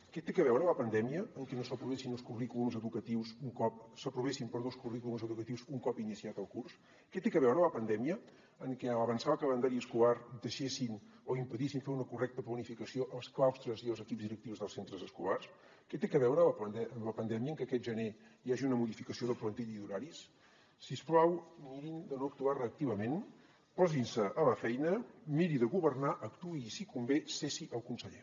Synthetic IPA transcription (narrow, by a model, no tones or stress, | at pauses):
kɛt̪ekəβɛwɾələpənd̪ɛmiəəŋkɛnosəpɾuβesinəlˠskurikulumzəðukət̪iwzuŋkɔp̚səpɾuβesimpəɾðoskurikulumzəðukət̪iwzuŋkɔpinisiat̪əlˠkurs | kɛt̪ekəβɛwɾələpənd̪ɛmiə | əŋkɛəβənsaβəkələnd̪aɾiəskulaɾd̪əʃesin | oimpəðisiɱfeɾunəkurɛk̚t̪əplənifikəsioʔəlˠsklawst̪ɾəziəlˠzəkipzðiɾək̚t̪iwzðəlˠsent̪ɾəzəskulars | kɛt̪ekəβɛwɾəpəd̪ɛʔələpənd̪ɛmjəːŋkəkɛt̪ʒənejaʒiunəmuðifikəsioðəplənt̪iʎiðuɾaɾisː | isplawmiɾind̪ənoək̚t̪uarəːk̚t̪iβəmen | pɔzinsəʔːləfɛjnəmiɾiðəɣuβərnaʔəkt̪uiːsikumbesesiʔəlˠkunsəʎe